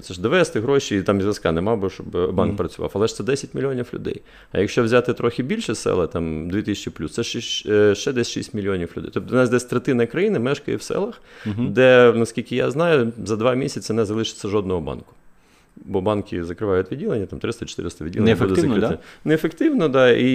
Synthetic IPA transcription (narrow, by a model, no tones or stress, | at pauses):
t̪sɛʒd̪ʋɛst̪ɪɦɾɔʃiit̪ɑmzʲlʲˠɐskɑnɛmɑbʊʃɔbbɑnk̚pɾɐt͡sʲʊʋɑ̰fɐlˠɛʃt̪sɛd̪ɛsʲɐtʲmʲilʲiɔnʲiflʲʊ̰d̪ɛ̰j | ɐ̰jɐkʃt͡ʃɔwzʲat̪ɪt̪ɾɔxʲɪbʲilʲʃɛsɛ̰lˠɐt̪ɑmd̪ʲʋʲit̪ɪsʲt͡ʃiplʲust̪sɛʃiʃt͡ʃɛd̪ɛsʲʃḭsʲtʲmʲilʲiɔnʲiflʲʊd̪ɛ̰jt̪ɔd̪ɔnɑzʲd̪ɛsʲt̪ɾet̪ɪnɐkɾɐjinɪmɛʃkɐjɛ̰wsɛ̰lˠɐxd̪ɛnɐskʲilʲkɪja̰znɑjʊzɐd̪ʋɑmʲisʲɐt͡sʲɐnɛzɐlˠɪʃɪ̥t̪ʲsʲːɐʒɔd̪nɔɦɔbɑ̰nkʊ̥ | bɔbɑnkʲɪzɐkɾɪʋɑjʊt̪ʲʋʲidʲilˠenʲːɐt̪ɑmt̪ɾɪst̪ɐt͡ʃɪ̥t̪ɪ̰ɾɪst̪ɐʋʲidʲilˠnɐud̪ɛzɐɾɪɪnɛefekt̪ɪʋnɔd̪ɑi